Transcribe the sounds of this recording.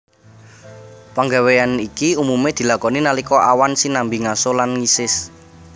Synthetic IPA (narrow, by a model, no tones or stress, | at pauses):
paŋɡaweanikiumumed̪̥i̤lakɔninalikɔʔawansinambiŋasolanŋisɪs